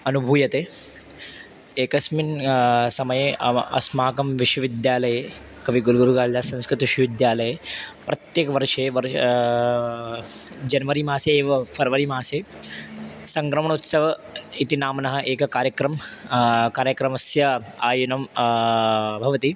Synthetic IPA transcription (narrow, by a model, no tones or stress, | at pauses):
ɐnubʱuːjɐt̪eː | eːkɐsminsɐmɐjeʔɐ̰smaːkɐmʋiʃʋɐʋid̪jaːlɐje | kɐʋiɡulɡuɾuɡaːɭlaːsɐ̃nskɾɪt̪ʋiʃʋɐʋid̪jaːlɐjepɾɐt̪jeːkɐʋɐɾʂeʋɐɾ | d͡ʒɐnʋɐɾimaːseːʋɐpʰɐɾʋɐɾimaːseː | sɐŋkɾɐmɐɳ̃ut̪sɐʋɐit̪inaːmɐnɐɦɐʔeːkɐkaːɾjɐkɾɐm | kaːɾjɐkɾɐmɐsjɐaːjunɐm | bʱɐʋɐt̪i